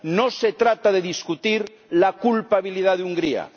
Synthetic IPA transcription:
noset̪ɾat̪aðeðiskut̪iɾ | lakulpaβiliðaðuŋɡɾia̰

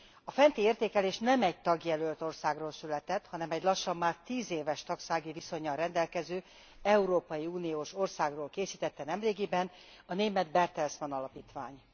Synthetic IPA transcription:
ɒfɛnt̪ieːrt̪eːkɛleːʃnɛmɛɟ̚t̪ɒɡjɛlølt̪orsaːɡroːlsylɛt̪ɛt̪hɒnɛmɛɟlɒʃːɒmːaːrt̪iːzeːvɛʃt̪ɒksaːɡiviso̞ɲːɒnrɛnd̪ɛlkɛzøː | ɛuɾoːpɒjiuːnijoːʃo̞rsaːɡroːlkeːsiːt̪ɛt̪ːɛnɛmreːɡibɛn | ɒneːmɛd̪bɛrt̪ɛlsmɒnɒlɒpiːt̪ʋa̰ːɲ

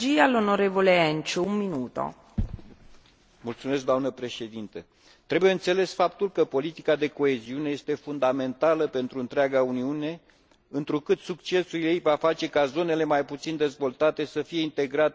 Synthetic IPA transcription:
ialonoɾevoleɛnt͡ʃuumːinuːt̪o̰ | mult̪sumes̬kd̪amnəpɾe̞ʃe̞d̪int̪ə | t̪ɾe̞buje̞ɨnt̪se̞le̞sfapt̪ulkəpo̞lit̪ikad̪e̞ko̞e̞ziune̞je̞st̪e̞fund̪ame̞nt̪aləpe̞nt̪ɾuɨnt̪ɾeaɡauniune̞ | ɨnt̪ɾukɨt̪sukt͡ʃe̞suiejvafat͡ʃe̞kazo̞ne̞le̞majput̪sind̪e̞zvo̞lt̪at̪e̞səfije̞int̪e̞ɡɾat̪

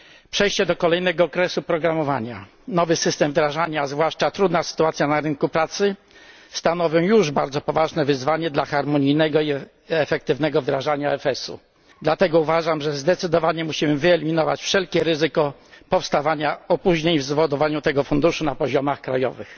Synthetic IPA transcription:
pʂɛjɕt͡ɕɛd̪ɔkɔlɛjnɛɡɔːkɾɛsupɾɔɡɾamɔva̰ɲa̰ | nɔvɘsɘst̪ɛmvd̪ɾaʐaɲazvwaʂt͡ʂat̪ɾud̪nasɘ̥t̪uat̪sʲjanaɾɘnkupɾat̪sɘ | st̪anɔvʲjɔ̃w̃juʐbaɾd̪zɔpɔvaʐnɛvɘzvaɲɛd̪laxaɾmɔɲijnɛɡɔi | ɛfɛk̚t̪ɘvnɛɡɔvd̪ɾaʐaɲaɛfɛsṵ | d̪lat̪ɛɡɔuvaʐamʐɛzd̪ɛt̪sɘd̪ɔvaɲɛmuɕimɘvɘɛlʲimʲinɔva̰t͡ɕfʂɛlkʲɛɾɘzɘkɔpɔfst̪avaɲaɔpuʑɲeɲvzvɔd̪ɔvaɲut̪ɛɡɔfund̪uʂunapɔʑɔmaxkɾajɔ̰vɘ̰x

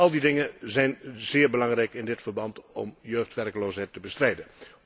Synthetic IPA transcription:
ɑlˠdidɪŋəzɛjnzɪːɹbəlɑŋrɛjkɪndɪtfərbɑntɔ̰mjøːxtʋɛrkəloːsɦɛjtəbəstrɛjdə

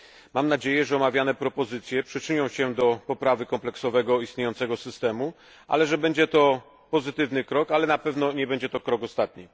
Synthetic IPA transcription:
mamnad͡ʑejɛʐɛɔmavʲjanɛpɾɔpɔzɘt̪sʲjɛpʂɘt͡ʂɘɲɔ̃w̃ɕɛd̪ɔpɔpɾavɘkɔmplɛksɔvɛɡɔist̪ɲejɔnt̪sɛɡɔsɘst̪ɛmu | ʔa̰lɛʐɛbɛɲd͡ʑɛt̪ɔ | pɔzɘt̪ɘvnɘkɾɔkalɛnapɛvnɔɲɛbɛɲd͡ʑɛt̪ɔkɾɔkɔst̪at̪̚ɲi

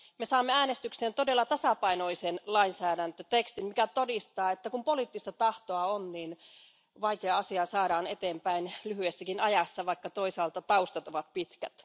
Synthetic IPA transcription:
mesɑːmːeæːnest̪ykseːnt̪odelːɑt̪ɑsɑpɑinoisenlɑinsæːdænt̪øt̪ekst̪immikæt̪odist̪ɑːet̪ːækumpoliːt̪ːist̪ɑt̪ɑht̪oɑonniːn | ʋɑikeɑɑsiɑsɑːdɑːnet̪eːmpæinlyhyesːækinɑjɑsːɑʋɑikːɑt̪o̞isɑːlt̪ɑt̪ɑust̪ɑt̪oʋɑt̪̚pit̪kæ̰t̪

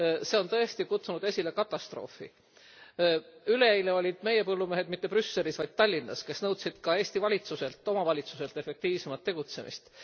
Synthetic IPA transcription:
se̞o̞nt̪ɤ̞e̞st̪ikut̪sunud̪̥e̞sʲile̞kɑt̪ːˑɑst̪ro̞̰ːfḭ | yle̞ejleo̞lʲid̪̥me̞jepɤlːumeɦed̪mit̪ːeprysːe̞lʲisvɑjd̪̥t̪ːɑlʲːinːɑske̞snɤwt̪sid̪̥kɑe̞ːsʲt̪ivɑlʲit̪suse̞lt̪ːˑo̞mɑvɑlʲit̪suse̞lt̪ːˑe̞fe̞k̚t̪iːvsemɑt̪ːe̞ɡ̥ut̪se̞mḭst̪

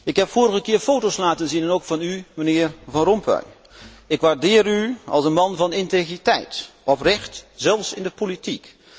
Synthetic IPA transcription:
ɪkɦɛpfʊːɾəχəkɪːɹfowtowslaːtənzinɛnowkfɑnymənɪːɹvɑnrɔmpœ̰j | ɪkʋaɹdɪːryɑ̰lˠsənmɑnvɑnɪntejχritɛjtɔprɛχtz̥ɛlˠfsɪndəpolitik

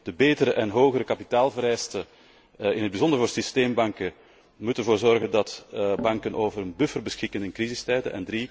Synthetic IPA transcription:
d̥əbeːtəɾəʔɛnɦoːɣəɾəkɑpitaːlˠvəɾɛjstə | ɪnɦəd̚bizɔndərvoːrsisteːmbɑŋkə | mutəɛvoːrzɔrɣəndɑtbɑŋkənʔoːvəɾənbʏfərbəsxɪkənɪnkrizɪstɛːdə̰ʔɛ̰ndri

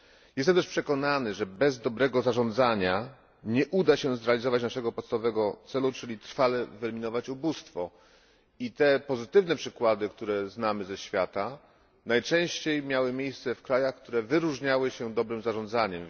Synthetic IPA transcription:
jɛst̪ɛmt̪ɛʂpʂɛkɔnanɘʐɛbɛzd̪ɔbɾɛɡɔzaʐɔnd̪zaɲa | ɲɛʔud̪aɕɛzɾɛalʲizɔvat͡ɕnaʂɛɡɔpɔt̪st̪avɔvɛɡɔt̪sɛlut͡ʂɘlʲit̪ɾfalɛvɛlmʲinɔvat͡ɕubust̪fɔ | it̪ɛpɔzɘt̪ɘvnɛpʂɘkwad̪ɘkt̪uɾɛznamɘzɛɕfʲjat̪a | najt͡ʂɛ̃w̃ɕt͡ɕejmʲjawɘmʲjejst̪sɛfkɾajaxk̚t̪uɾɛvɘɾuʐɲawɘɕɛd̪ɔbɾɘmzaʐɔnd̪zaɲɛm

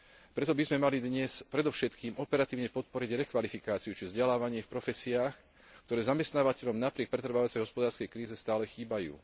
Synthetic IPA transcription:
pɾɛt̪ɔbizmɛmalid̪ɲɛspɾɛd̪ɔʊʃɛt̪kiːmɔpɛɾat̪iːʊɲɛpɔt̪̚pɔɾiɟɾɛkʋalifikaːt͡siut͡ʃivzɟɛlaːʋaɲɪɛfpɾɔfɛsiaːx | kt̪ɔɾɛːzamɛst̪naːʋacɛʎɔmnapɾɪɛk̚pɾɛt̪ɾ̩ʋaʋat͡sɛjɦɔspɔd̪aːɾskɛjkɾiːzɛst̪aːlɛxiːbajṵː

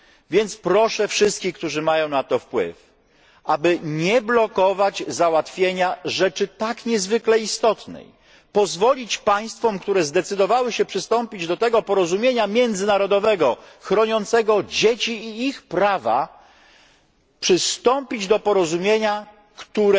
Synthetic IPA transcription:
vʲjɛnt̪spɾɔʂɛfʂɘst̪̚kʲixk̚t̪uʐɘmajɔ̃w̃nat̪ɔfpwɘ̰f | ʔabɘɲɛblɔkɔvad͡ʑzawat̪fʲjeɲaʐɛt͡ʂɘt̪akɲɛzvɘklɛist̪ɔt̪nɛ̰j | pɔzvɔlʲit͡ɕpaj̃st̪fɔmkt̪uɾɛzd̪ɛt̪sɘd̪ɔvawɘɕɛpʂɘst̪ɔmpʲid͡ʑd̪ɔt̪ɛɡɔpɔɾɔzumʲjeɲamʲjɛnd̪zɘnaɾɔd̪ɔvɛɡɔxɾɔɲɔnt̪sɛɡɔd͡ʑet͡ɕiːxpɾava̰ | pʂɘst̪ɔmpʲid͡ʑd̪ɔpɔɾɔzumʲjeɲa | kt̪uɾɛ

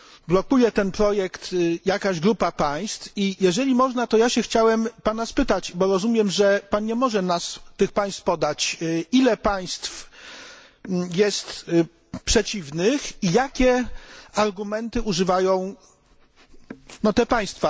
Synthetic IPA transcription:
blɔkujɛt̪ɛnpɾɔjɛkt̪jakaʑɡɾupapaj̃st̪fijɛʐɛlʲimɔʐnat̪ɔjaɕɛxt͡ɕawɛmpanaspɘt̪at͡ɕbɔɾɔzumʲjɛmʐɛpanɲɛmɔʐɛnast̪ɘxpaj̃st̪fpɔd̪at͡ɕilɛpaj̃st̪f | jɛst̪ | pʂɛt͡ɕivnɘxijakʲɛaɾɡumɛnt̪ɘʔuʐɘvajɔ̃w̃ | nɔt̪ɛpaj̃st̪fa

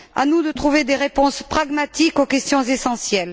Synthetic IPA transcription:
a̰nud̪ət̪χuved̪eʁepɔ̃spχaɡmat̪ikokʲɛst̪jɔ̃zesɑ̃sjɛl

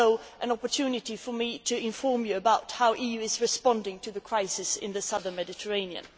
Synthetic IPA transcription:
oʊʔɨ̃nɑpə˞tʰʉnɨɾifə˞miɾʰɨɪ̃ɱfɔɹmjɨəbaʊt̚haʊʔijʉɪzɹɨspɑ̃ndɪ̃ŋtʰɨðɨkʰɹ̥aɪsɨsɪ̰̃nðɨsʌðə̃˞nmɛdɨtʰə˞ẽɪ̃niɨ̰̃n

